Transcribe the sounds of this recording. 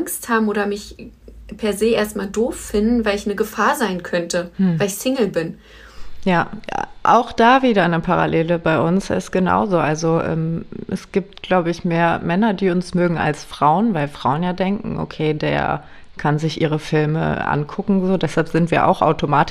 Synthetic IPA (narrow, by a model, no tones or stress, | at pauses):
ʔŋsthaːbm̩oːɾɐmɪçpʰɛɐzeːʔeːɐst̚maːldoːfːɪndn̩vaɪlɪçnəɡəfaːɐzaɪnkʰœntəvaɪlɪçsɪŋl̩bɪn | ja̰ːʔa̰ʊxd̥aːviːdɐnəpʰaʁa̰leːləbaɪʔʊnsɪ̰stɡ̥əna̰ʊzoːʔalzoʔɛ̰ːmʔɛ̰sɡ̥iːp̚tɡ̥laʊbəɪçmeːɐmɛnɐdiːʊnsmøːɡŋ̩a̰lsfʁ̥aʊənvaɪlfʁ̥aʊənjaːdɛŋkŋ̩ʔo̰kʰeːdḛːɐ | kʰanzɪçʔiːʁ̞əfɪlmə̰ʔa̰nkʰʊkŋ̩zoːdɛshalpz̥ɪntv̥iːɐʔa̰ʊxʔa̰ʊtʰomaːtɪ